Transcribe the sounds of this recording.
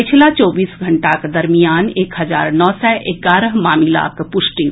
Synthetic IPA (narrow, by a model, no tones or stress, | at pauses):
pɪt͡ʃʰlat͡ʃɔːbiːsɡʱɐ̃ɳʈakd̪ɐɾmijaːneːkɦɐza̰ːɾnɔːsɛʔekaːɾəɦmaːmila̰ːkpʊʃʈi